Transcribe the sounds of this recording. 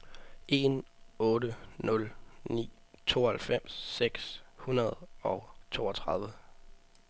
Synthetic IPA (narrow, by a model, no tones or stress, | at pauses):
ʔe̝nɔ̽ːɾənɔ̽lnḭː | t͡sʰo̝̰ːhælfem̰sːeɡ̥shunɐðˠɒ̽ʊt͡sʰo̝̰ːɒt͡sʰʁɑ̈ð̞ˠʋə